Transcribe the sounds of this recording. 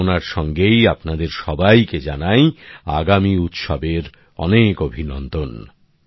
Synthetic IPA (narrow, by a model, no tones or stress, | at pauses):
naɾʃɔŋɡejapnad̪eɾʃɔbajked͡ʑanaja̰ɡamiut̪ʃɔbeɾ | ɔ̰nekobʱinɔnd̪on